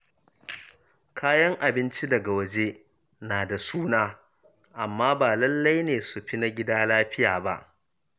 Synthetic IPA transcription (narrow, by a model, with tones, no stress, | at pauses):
kʰaː˦jɐ˦ŋʔa˨bɪ˦nt͡ʃi˦dɐ˨ɡa˨wɐ˦d͡ʒe˦ | naː˨da˨suː˦naː˦ | ʔa˨mːaː˦baː˨lɐ˦lːa˦jneː˨su˨ɸi˦na˦ɡʲɪ˦daː˦laː˦ɸɪ˦jaː˨ba̰˦ʔ